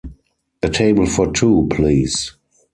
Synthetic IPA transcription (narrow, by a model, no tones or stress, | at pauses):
ətʰeɪbəl̩fɔtʰuːpʰliːs